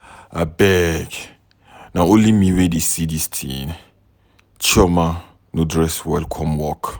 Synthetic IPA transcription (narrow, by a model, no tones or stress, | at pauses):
a̰bɛkɛ | naʊlimiwedisidistʰinɪ | t͡ʃʰɔma | nudrɛswɛlkʰɔmwɔkʰ